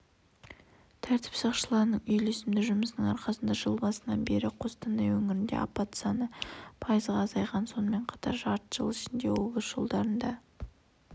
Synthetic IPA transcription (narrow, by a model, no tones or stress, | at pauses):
t̪ʰæɾt̪ʰɪ̥psɑqʃəlˠɑɾnəɴʏjle̞sɪmd̪ɪʒʊməsənəŋɑɾqɑsənd̪ɑʒəlˠbɑsənɑ̰nbe̞ɾɪqʰo̞st̪ɑnd̪ɑjwɵŋɪɾɪnd̪e̞̰ɑpːɑt̪sɑnəpʰɑjəzʁɑːzɑjʁɑnso̞nəme̞ɴqʰɑ̥t̪ɑ̰ɾʒɑɾt̪ʒ̥ə̰lˠɪʃɪnd̪e̞wo̞bəzʒ̥olˠd̪ɑɾənd̪ɑ